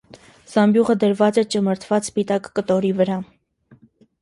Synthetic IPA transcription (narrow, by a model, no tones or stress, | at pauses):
z̥ɑmbjuʁəd̪əɾvɑt͡sɛt͡ʃəməɾt̪ʰvɑt͡sspit̪ɑkːət̪ɔɾivəɾɑ